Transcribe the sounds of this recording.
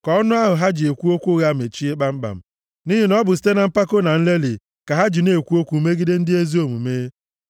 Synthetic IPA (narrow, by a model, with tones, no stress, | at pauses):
kɔ˦ɔ˦nʊ˦a˦ɦʊ˨ɦa˦d͡ʒɪ˨e˨kʷu˦o˦kʷu˦ɣa˦m˨e˨t͡ʃi˦e˦ɡ͡ba˦m̩˦ɡ͡ba̰˨m̩˦˨ | ni˦ɦi˨˦nɔ˦bʊ˨s̬i̥˦te˦na˨m̩˦pa˦ko˦na˨n̩˦le˦li˨ | ka˨ɦa˦d͡ʒi˨ne˨kʷu˦o˦kʷu˨˦me˦ɡi˦de˦n̩˦dɪ˦e˦zi˦o˦mu˨meː˦